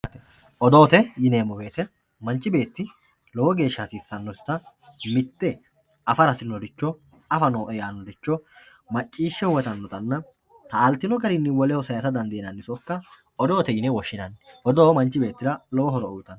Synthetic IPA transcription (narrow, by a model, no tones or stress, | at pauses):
t̪ | ɔd̪oːt̪ɛjɪneːmːɔbe̞ːt̪ɛ | mɐnt͡ʃːɪbe̞ːt̪ːɪ | lɔwɔɡe̞ːʃːɐsiːsːɐnːɔsɪ̥t̪ɐ | mɪt̪ːɛ | ɐfɐɾɐsɪnːɔd̪ɪt͡ʃːɔ | ɐfɐnoːʔɛjaːnːɔd̪ɪt͡ʃːɔ | mɐt͡ʃʼːiːʃːɛwɔt̪ɐnːɔt̪ɐnːɐ | t̪ɐːlt̪ːɪnɔɡɐɾɪnːɪwɔlɛhɔsɐjɐsɐd̪ɐnd̪ɪːnɐnːɪsɔkːɐ | ɔd̪oːt̪ɛjɪnɛwɔʃːɪnɐnʔɔd̪oːmɐnt͡ʃːɪbe̞ːt̪ːɪɾɐlɔwɔɦɔɾɔʊjt̪ːɐn